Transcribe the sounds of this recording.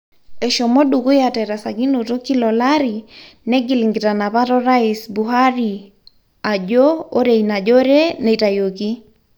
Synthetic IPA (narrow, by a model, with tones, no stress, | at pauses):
ɛ˨ʃɔ˨mɔ˦ɗu˨ko˦ja˨tɛ˨ɾa˨sa˨ki˦no˨to˦ki˦lɔ˨laɾi˨ | nɛ˦ɡi˨liŋɡi˨ta˨na˨βa˦tɔ˦ɾa˦isbu˨ɦa˦ɾi˨ | a˨d͡ʒo˦o˦ɾɛ˨ina˨d͡ʒo˦ɾɛ˦nɛ˨ta˨jo˨ki˦